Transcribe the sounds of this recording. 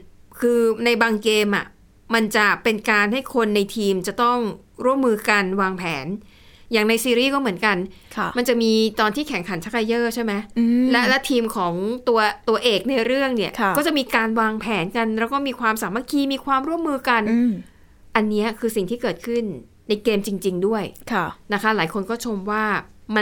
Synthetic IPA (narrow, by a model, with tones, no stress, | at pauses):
kʰɯː˧na˧jbaː˧ŋkeː˧mʔa˨˩ | ma˧nt͡ɕa˨˩pe˧nkaː˧nha˥˩jkʰo˧nːa˧jt̪ʰiː˧mt͡ɕa˨˩t̪ɔ˥˩ŋ | ɾu˥˩əmːɯː˧ka˧nwaː˧ŋpʰɛː˩˦n | jaː˨˩ŋna˧jsiː˧ɾiː˥˩kɔː˥˩mɯ˩˦ənka˧n | kʰma˧nt͡ɕa˨˩ʔmiː˧t̪ɔː˧nt̪ʰiː˥˩kʰɛ˩˦ŋkʰa˩˦nt͡ɕʰa˦˥ka˧jɤː˥˩t͡ɕʰa˥˩jma˦˥jlɛ˦˥lɛ˦˥t̪ʰiː˧mkʰɔː˩˦ŋt̪u˧ɐt̪u˧ɐʔeː˨˩k̚na˧jɾɯ˥˩əŋni˥˩əkʰɔː˥˩t͡ɕa˨˩ʔmiː˧kaː˧nwaː˧ŋpʰɛː˩˦nka˧nɾɛ˦˥wkɔː˥˩miː˧kʰwaː˧msaː˨˩˦mːa˦˥kʰiː˧miː˧kʰwaː˧mɾu˥˩əmːɯː˧ka˧n˧ | ʔa˧nːi˦˥ɐkʰɯː˧si˨˩ŋt̪ʰiː˥˩kɤː˨˩t̪̚kʰɯ˥˩nː | a˧jkeː˧mt͡ɕi˧ŋt͡ɕi˧ŋdu˥˩əjkʰa˧˩na˦˥kʰa˦˥laː˩˦jkʰo˧nkɔː˥˩t͡ɕʰo˧mwaː˥˩ma˧